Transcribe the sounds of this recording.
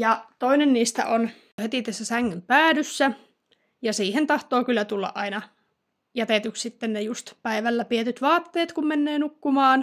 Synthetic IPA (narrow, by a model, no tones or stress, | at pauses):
jɑt̪oinenniːst̪æ̰ʔon | het̪it̪æsːæsæŋːympæːdysːæ | jɑsiːhent̪ɑht̪oːkylːæt̪ulːɑ̰ʔʔɑinɑ | jæt̪et̪ykssit̪ːennejust̪pæiʋælːæpiet̪yt̪ʋɑːt̪ːeːt̪kummenːeːnukːumɑːn